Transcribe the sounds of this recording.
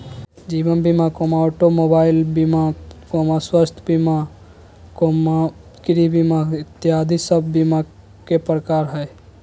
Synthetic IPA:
d͡ʒibənbimakomaɔʈomobailbimakomaswəst̪ʰbima | koma | kiɾibimait̪ːiad̪ʱisəbʱbima | kepɾəkaɾɦəj

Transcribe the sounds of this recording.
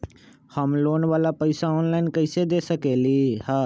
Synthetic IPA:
həmloːnʋaːlaːpəɪsaɔːnlaːɪnkəsed̪eːsəkeːliːhaː

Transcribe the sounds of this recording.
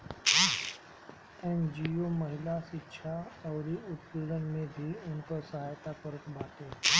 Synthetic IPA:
eːnd͡ʒiomɐɦɪlasɪkʃʰaɐːɾiʊt̪pilən̆mẽbʱiʊnkəsɐɦaːjt̪akəɾəkbʱaːt̪eː

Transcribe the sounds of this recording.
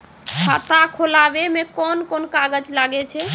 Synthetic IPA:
ɦʰat̪akʰolabemekɔnkonkaɡəd͡ʒlaɡɛt͡ʃʰɛ

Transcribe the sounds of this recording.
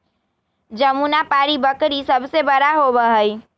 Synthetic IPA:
d͡ʒəmunapaɾibəkɾisəbʱsebəɾaɦobəɦəj

